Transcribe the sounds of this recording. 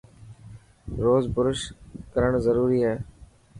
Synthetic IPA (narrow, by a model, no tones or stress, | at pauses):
ɾoːzbʊɾʊʃkəɾəɳzəɾuːɾiːɦɛː